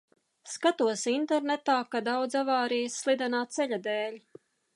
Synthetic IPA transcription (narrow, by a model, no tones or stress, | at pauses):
skat̪uɔsint̪ɛɾnet̪aːkad̪awd̪zavaːɾijəsːlˠid̪ɛnaːt̪sɛʎʲad̪ɛːlʲ